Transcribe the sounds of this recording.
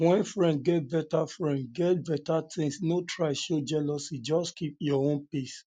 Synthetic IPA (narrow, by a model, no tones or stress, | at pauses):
wɛ̃nfɹɛ̃nd̚ɡɛt̚bɛtafɹɛ̃ndɡɛt̚bɛtatʰĩsnotʰɹaɪʃod͡ʒɛlɔsid͡ʒɔskip̚jɔõnpis